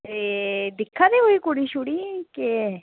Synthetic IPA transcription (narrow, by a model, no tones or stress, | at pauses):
ɾed̪ɪkʰːãːd̪eːɦoːiːkoːɽiːʃʊɽiːke